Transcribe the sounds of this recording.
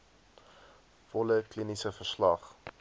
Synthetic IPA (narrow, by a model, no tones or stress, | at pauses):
fɔləklinisəfərslɐχ